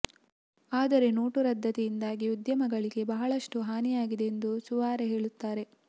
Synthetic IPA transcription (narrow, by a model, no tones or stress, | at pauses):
aːd̪ɐɾe̞no̞ːʈuɾɐd̪ʱːɐt̪ɛjind̪aːɡiud̪jɐmɐɡɐɭiɡe̞bɐɦɐɭɐʂʈuɦaːnijaːɡid̪eːnd̪usuʋaːɾeɦe̞ːɭut̪ːaːɾe̞